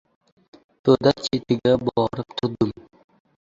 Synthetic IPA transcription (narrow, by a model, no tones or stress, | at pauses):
t̪ʰod̪at͡ʃʰet̪ʰɪɡʲabɒɾɪp̚t̪ʰʊɾd̪ʊm